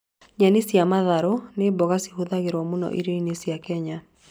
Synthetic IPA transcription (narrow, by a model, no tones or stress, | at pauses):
ɲanisiamaðaɾonebɔɣasi̥huðaɣeɾwɔmʊnɔ̰ʔiɾeinisiakɛɲa